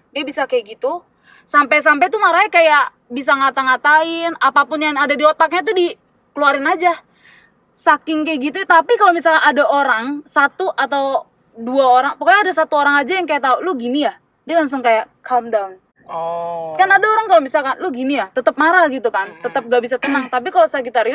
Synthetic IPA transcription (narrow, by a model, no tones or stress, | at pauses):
diabisakajɡit̪u | sampajs̬ampajt̪umaɾaɛkajaʔ | bis̬aŋat̪aŋat̪aɪnapapʊnjaŋadadiot̪ak̚ɲat̪̬udi | kəluaɾɪnad͡ʒa | sakɪŋkajɡit̪ut̪apikalomisalaʔadaʔoɾaŋsat̪uʔat̪aw | duaoɾaŋpokajaːdasat̪uoɾaŋad͡ʒajaŋkajaʔt̪aulʊhɡinija | dialaŋs̬ʊŋkajaʔkʰamdaun | kanadaoɾaŋkalomisalkanlʊhɡinijaht̪ət̪əp̚maɾaɡit̪ukant̪ət̪əp̚ɡaʔbisat̪ənaŋt̪ap̬ikalosakit̪aɾjʊ